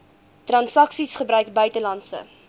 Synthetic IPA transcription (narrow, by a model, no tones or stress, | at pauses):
trɐnsɐksisχəbɾœɥkbœɥtəlɐntsə̰